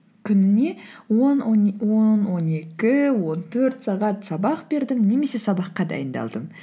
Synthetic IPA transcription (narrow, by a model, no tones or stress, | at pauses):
kʲʰʏnɪne̞wonnwo̞nwo̞ne̞kʲɪwo̞nt̪ʰɵɾt̪sɑʁɑt̪sɑbɑqbe̞ɾd̪ɪmne̞me̞se̞sɑbɑqːɑd̪ɑ̰jənd̪ɑ̰lˠd̪əm